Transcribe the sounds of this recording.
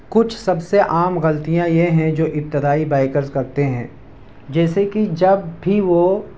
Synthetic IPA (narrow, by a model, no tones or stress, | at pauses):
kʊt͡ʃʰsɐbseʔaːmɣɐlt̪ijãjeɦɛ̃d͡ʒoːʔɪp̚t̪ɪd̪aːibaːɪkəɾzkɐɾt̪eɦɛ̰̃ː | d͡ʒɛːsekid͡ʒɐbːʱiʋo